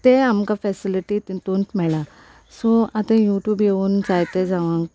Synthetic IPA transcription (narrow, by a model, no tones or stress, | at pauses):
t̪eamkafɛsiliʈit̪t̪unʈmɛɭa | sɔat̪ẽjuʈjuːbjeuːnd͡zajt̪ed͡zaʋãŋk